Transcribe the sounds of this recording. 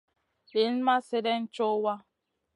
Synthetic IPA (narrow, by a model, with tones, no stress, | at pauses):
le˨˦n̩˦ma˦sɪ˦de˦n̩˦t͡ʃʊ˦wa˦